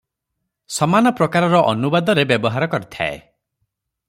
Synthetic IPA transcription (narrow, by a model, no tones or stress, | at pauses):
sɔmanɔpɾɔkaɾɔɾɔʔɔnubad̪ɔɾebjɔbɔɦaɾɔkɔɾit̪ʰa̰ḛ